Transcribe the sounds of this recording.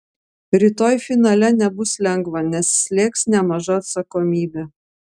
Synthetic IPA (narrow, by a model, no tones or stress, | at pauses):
ɾʲit̪oːjfʲɪnɑlʲɛnʲɛbʊslʲɛŋɡʋɐnʲɛsːʲlʲeːksnʲɛmɐʒɑːt̪sɐkoːmʲiːbʲe